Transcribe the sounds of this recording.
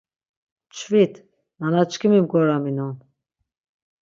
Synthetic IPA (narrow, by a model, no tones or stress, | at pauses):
t͡ʃʰvit̪ | nanat͡ʃkʰimimɡɔɾaminɔn